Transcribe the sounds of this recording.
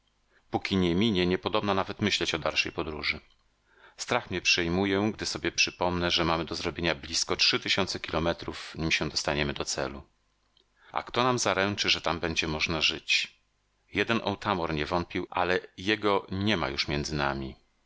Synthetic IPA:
pukʲiɲɛmʲiɲɛɲɛpɔd̪ɔbnanavɛt̪mɘɕlɛt͡ɕɔd̪alʂɛjpɔd̪ɾuʐɘ | st̪ɾaxmɲɛpʂɛjmujɛɡd̪ɘsɔbʲjɛpʂɘpɔmnɛʐɛmamɘd̪ɔzɾɔbʲjeɲablʲiskɔtʂɘt̪ɘɕɔnt̪sɛkʲilɔmɛt̪ɾufɲimɕɛ̃d̪ɔst̪aɲɛmɘd̪ɔt̪sɛ̰lu | ʔa̰kt̪ɔnamzaɾɛnt͡ʂɘʐɛt̪ambɛɲd͡ʑɛmɔʐnaʐɘt͡ɕ | jɛd̪ɛnʔɔ̰wt̪ʰamɔɾɲɛvɔnt̪̚pʲiwʔa̰lɛjɛɡɔɲɛma̰juʂmʲjɛnd̪zɘna̰mʲi

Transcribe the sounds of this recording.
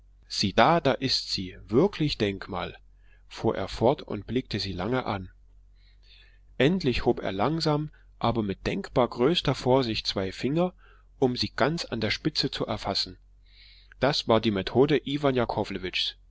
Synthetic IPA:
z̥iːd̥aːd̥aːʔɪstz̥iːvɪɐkʰlɪçd̥ɛŋkma̰ːl | fuːɐʔḛːɐfɔɐtʊ̰nt̚b̥lɪk̚təziːlaŋəʔan | ʔɛntlɪçhoːpḛːɐlaŋzaːm | ʔaːbɐmɪt̚d̥ɛŋkb̥aːɐɡʁøːstɐfoːɐzɪçt̚t͡sv̥aɪfɪŋɐ | ʔʊmziːɡ̥ant͡sa̰ndeːɐʃpɪt͡sət͡suʔɛɐfasn̩ | d̥asv̥aːɐdiːmetʰoːdəʔiːvanjakʰɔːvləvɪt͡ʃs

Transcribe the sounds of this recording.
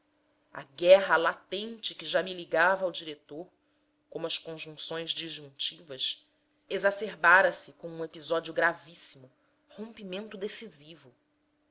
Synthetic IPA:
ɐ̰ɡɛɦɐlat̪ẽnt͡ʃɪkɪʒamiliɡavɐawd͡ʒiɾet̪oɾ | kõmʊɐskõʒũŋsõj̃zd͡ʒiʒũŋt͡ʃivɐs | ezaseɾbaɾɐsɪkõũepizɔd͡ʒuɡɾavisimʊ | hõmpimẽnt̪ʊd̪esizivʊ

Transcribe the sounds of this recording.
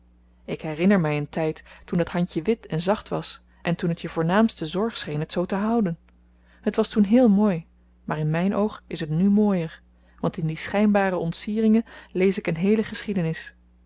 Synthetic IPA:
ɪkɦɛrɪnəɹmɛjəntɛjtːundɑtɦɑncəʋɪtɛnzɑχtʋɑ̰s | ʔɛntunɦətjəvʊːɹnaːmstəzɔɹχsχejnɦətsowtəɦʌwdən | ɦətʋɑstunɦɪːlˠmoːj | maːɹɪnmɛjnʔowχɪsɦətnymoːjəɹ | ʋɑntɪndisχɛjnbaːɾəɔntsiːrɪŋənlejsɪkənɦejləχəsχidənɪs

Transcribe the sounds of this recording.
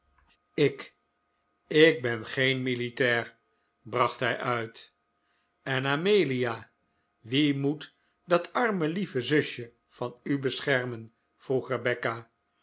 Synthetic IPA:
ɪk | ɪk̚bɛnχejnmilitɛːr | brɑχtɦɛjʔœɥt | ɛnaːmejliaː | ʋimut | dɑtʰɑɹməlivəzɵʃjə | v̥ɑnybəsχɛɹmən | v̥ruχrəbɛka

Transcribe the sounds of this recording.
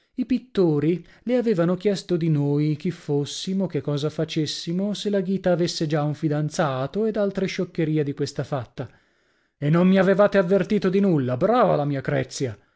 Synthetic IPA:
ipit̪ːoːɾi | leaveːvanok̟jɛst̪od̪inoːjk̟ifːosːimok̟ekːɔːzafat͡ʃesːimoselaɡiːt̪aːvesːed͡ʒauɱfid̪ant̪saːt̪oed̪alt̪ɾeʃokːeɾiːad̪ikwest̪afat̪ːa | enːommiavevaːt̪eavːert̪iːt̪od̪inulːabɾaːva̰lamiːakɾɛ̰t̪sːja

